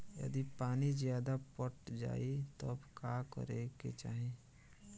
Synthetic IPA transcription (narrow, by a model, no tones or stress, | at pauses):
jə̰d̪ipaːnizjaːd̪apəʈd͡ʒa̰ːit̪obkaːkə̰ɾeɡḛt͡ʃa̰ːɦe